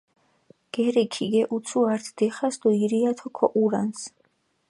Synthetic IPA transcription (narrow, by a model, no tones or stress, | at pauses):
ɡ̥ɛɾɛkʰiɡɛʔut̪sʰuaɾt̪ʰd̪̥ɛχasd̪ɔiɾiat̪ʰɔkʰɔʔuɾans